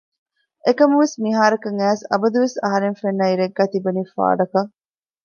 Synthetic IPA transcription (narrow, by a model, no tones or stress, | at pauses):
ʔekɐmɐʋesmiɦaːɾɐkɐŋæːsɐ̰bɐd̪uʋesɐɦɐɾeŋfenːɐiɾeɡːæːt̪ibɐnifa̰ːɖɐkɐ